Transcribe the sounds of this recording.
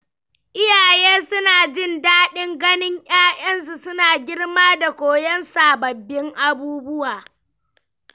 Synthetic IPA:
ʔɪ˦jaː˨jeː˦sʊ˦naː˨d͡ʒɪ˦ndaː˦ɗɪ˦ŋɡɐ˦nɪ˦ɲj̰ʲaː˦jɐ˦nsu˨sʊ˦naː˨ɡʲɪ˦ɽmaː˦da˨kʷoː˦jɐ˦nsaː˨bɐ˨bːɪ˦ŋʔa˦buː˦bʊ˦waː˨

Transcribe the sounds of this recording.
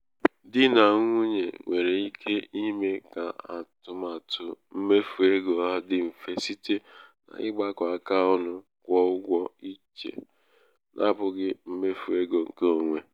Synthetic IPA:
dɪ˦na˨˦ŋʷ˦u˦ɲḛ˨ŋʷe˨ɾe˨i˦kʰe˦i˦me˦ka˨a̰˨tʊ˨ma˨tʊ˨m̩˦me˦fu˨e˦ɡo˨a˦dɪ˦m̩˨fe˨si˦te˦na̰˨ɪ̰˦ɡ͡ba˦kʷa˨ka˦ɔ˦nʊ˦ | kʷɔ˦ʊ˦ɡʷɔ˦i˦t͡ʃḛ˨ | nʔa̰˦bʊ˨ɡɪ˦m̩˦me˦fu˨e˦ɡo˨ŋ̩˨ke˦o˨ŋʷe˨

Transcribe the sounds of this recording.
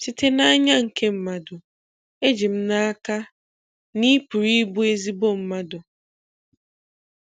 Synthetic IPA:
t͡ʃi˦te˦na˦ɲa˦ŋ̩˨ke˦m̩˨ma˦dʊ˨ | e˦d͡ʒi˨m̩˦na˦a˦ka˦ | ni˦pu˨ɾi˦bu˦e˦zi˦bo˦m̩˦ma˦dʊ˨

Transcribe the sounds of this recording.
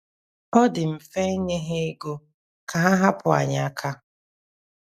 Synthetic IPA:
ɔ˦dɪ˨m̩˨fe˦ɲe˦ɦe˦i˦ɡo˦ | kʰa˨ɦa˦ɦa˦pʊ˨a̰˨ɲa˦˨kʰa˦

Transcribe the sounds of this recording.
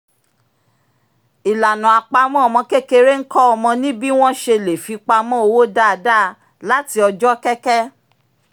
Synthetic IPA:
i˨la˨nã˨a˨k͡pa˧mɔ̃˦ɔ˨mɔ̃˧ke˦ke˧ɾe˦ŋ̩˦kɔ˦ɔ˧mɔ̃˧nĩ˦bi˦w̃ɔ̃˦ʃe˧le˨fi˨˧k͡pa˧mɔ̃˦o˧wo˦da˦˨a˧da˦˨˧ | la˦ti˧ɔ˧d͡ʒɔ˦kɛ˦kɛ˦

